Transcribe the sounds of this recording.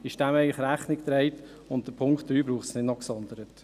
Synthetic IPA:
ɪʃd̥æmɛɪŋləχɾæχnɪkt̪ɾɛɪt | ʊnt̚d̥əpʰʊŋkχt̪̚ːɾyːbɾuːχtsnɪdnɔksɔnd̪əɾət

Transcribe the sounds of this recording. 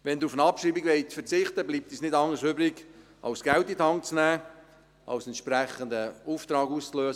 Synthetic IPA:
ʋɛnd̪ufənɑpʃiːbiɡʋɛɪt͡sfəɾt͡sɪχt̪əbliːp̚t̪isnɪdɑŋəsʏbɾɪɡ | ʔɑ̰ʊsɡ̥ɛltit̪ɑŋkt͡snæː | ʔɑ̰wsɛnt̪ʃpɾɛχənd̪əuːft̪ɾɑːɡuːst͡sløːs

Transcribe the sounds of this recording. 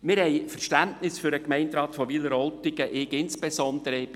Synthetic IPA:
mɪɾhɛɪfərʃtæntnɪsfʏɾəkmɛɪntrɑːt̪fɔʋiləɾɔltɪɡəʔɪkɪnspesɔnd̪əɾə

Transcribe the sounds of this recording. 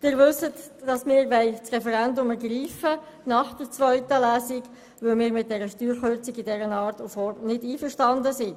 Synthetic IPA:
d̥ɪːɾʋʉsət | d̥ɑsmɪːɾʋɛɪt͡sʁɛfɛɾɛndʊməɡriːfə | nɑχd̥əɾt͡sʋœʏtəlæːsɪɡ | ʋɵlmɪːɾmɪt̚d̥ɛɾəʃtyːɾχøɾt͡siɡidɛɾənɑːɾtufɔɾnɪdiːfəʃtɑndəsɪ

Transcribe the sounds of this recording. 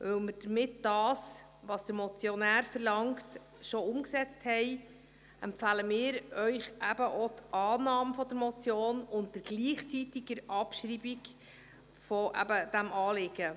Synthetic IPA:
ʋɵwməɾd̥əɾmɪtd̥ɑːs | ʋɑsd̥əɾmɔt͡sjɔnæːɾfəɾlɑŋkt | ʃɔʊmksɛt͡sthɛj | ɛmfæləmɪːɾœʏχʔæb̥əʔot̪ʔɑːnɑːmfɔd̪əɾmɔt͡sjoːnʊntd̥əɾɡ̥liːχt͡sitiɡəɾɑpʃɾiːbiɡ | fɔʔæ̰bəd̥æmɑːlɪɡ̥ə

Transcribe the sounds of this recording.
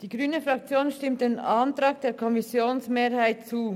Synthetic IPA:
d̥iːɡʁyːnəfʁɑk̚t͡sjoːnʃtɪmt̚d̥eːnɑntɾɑːk̚d̥eːkʰɔmisjoːnsmeːɾhaɪt̚t͡suː

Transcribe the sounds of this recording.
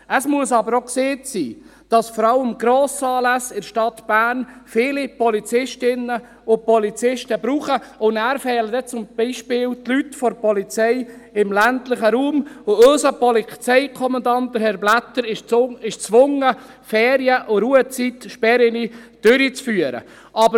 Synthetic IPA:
əsmuəsɑbəɾokseːtsiː | d̥ɑsfɔɾɑləmɡ̥ɾoːsɑːlæsɪɾʃtɑt̪b̥æːɾnfɪːlipɔlit͡sɪʃtɪnːə | ʊpɔlit͡sɪʃtəbɾuːχəʊndæːɾfɛːlədɛt͡sʊmb̥iːʃpɪːlt̪lytfɔɾpɔlit͡sɛɪɪmlæntlɪχəɾuːmʊøsəpɔlit͡sɛɪkʰɔmɑnd̪ɑnt̚d̥əɾhɛɾblæt̪ːəɾɪʃɪʃt͡sʋʊŋə | fɛːɾjəʔʊɾuət͡sitʃpɛɾɪnid̥øɾit͡sfyːəɾə̰ | ʔɑbə

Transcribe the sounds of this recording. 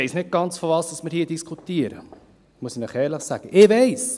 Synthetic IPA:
ɛɪsnɪt̚ɡ̥ɑnt͡sfɔʋɑːsd̥ɑsmɪɾhiːədiskʰutiəɾə̰ | muəsinəχɛːɾləχsæɡ̥əʔɪʋɛɪs

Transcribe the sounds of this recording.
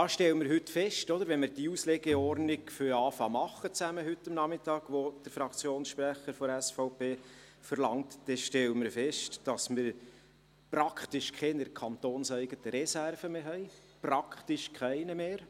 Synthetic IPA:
ɑːʃtɛləmɪɾɦʏt̪fɛʃtɔd̪əɾʋɛnmɪɾd̥iuslɛɡɛɔɾnɪkfʏɾɑːfɑːmɑχːət͡sæməɦʏt̪ːɑmnɑmɪt̪ɑːɡ̥ʋod̥əɾfɾɑkʰt͡sjoːnsʃpɾæχəɾfɔɾæsfɔʊpeː | fəɾlɑŋt̪d̥ɛʃtɛləmɪɾfɛʃtd̥ɑsmɪɾ | pɾɑkʰχt̪ɪʃkʰɛnɪɾkʰɑnt̪oːnsæɪɡət̪əɾɛsærfəmeːɦɛɪ | prɑkχt̪ɪʃkʰæɪnəmeːɾ

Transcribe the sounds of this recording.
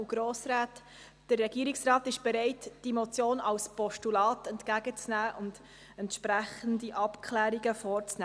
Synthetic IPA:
ɡ̥ɾoːsɾaːt | d̥ərːɛɡiːɾɪksrɑːtɪʃb̥ɛɾɛɪtd̥imɔt͡sjoːnɑlspɔʃtulɑːtɛntkæɡət͡snæːʔʊnd̥ | ɛntʃpɾæχəndiʔɑpkʰχlæːɾiɡəfɔːɾt͡snæ

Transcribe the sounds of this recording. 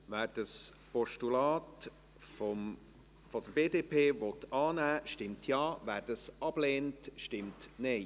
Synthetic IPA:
ʋæːɾd̥əs | pɔʃtulɑːt | fɔm | fɔd̥̪əɾbeːdeːpʰeːʋɔt̪ɑːnæːʃtɪmtʰjɑːvæːɾdɑsɑb̥leːntʃtɪmtnɛɪ

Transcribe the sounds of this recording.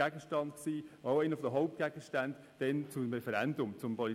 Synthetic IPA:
æɡəʃtɑndksiːaʊɛɪnəfɔd̥̪əɦɔʊp̚t̚ɡ̥æɡ̥əʃtænd | d̥ɛnt͡sumɾɛfɛɾændʊmt͡sʊmpʰɔli

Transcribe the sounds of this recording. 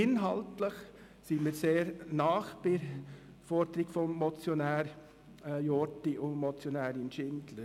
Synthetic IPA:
ɪnɦɑltləχ | simiːɾseːɾnɑːχbɪ | fɔɾd̪ɾɪɡ̥fɔmːɔt͡sjɔnæːɾ | jɔtiʔʊmɔt͡sjɔnæːɾɪnʃɪndlə

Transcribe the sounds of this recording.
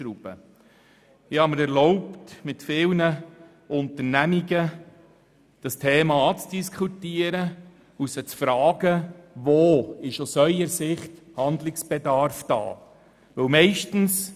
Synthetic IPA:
ɾub̥ə̰ | ɪhɑməɾɛɾlɔʊptmɪtfɪːlnə | ʊntəɾnæmiɡə | d̥ɑstʰeːmɑt͡sd̥iskʰχutiəɾə | usət͡sfɾɑːɡəvoːɪʃʊsœʏəɾsɪχt | hɑnd̪lɪksb̥ɛdɑɾfd̥ɑ̰ː | ʋɵwmɛɪʃtn̩s

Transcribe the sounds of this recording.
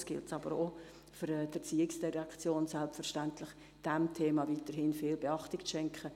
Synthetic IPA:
sɡ̥ɪ̰ltsɑbəɾo | fʏɾɛdɛɾt͡siːɪksd̥iʁɑkt͡sjoːnsɛlpfɛɾʃtæntlɪχ | d̥ɛmtʰeːmɑviːtəɾhɪnfɪːlbeɑχtɪkt͡sʃɛŋkχə

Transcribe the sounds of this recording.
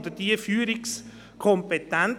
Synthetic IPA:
d̪əd̥iəfyːɾɪks | kʰɔmpet̪ːɛn

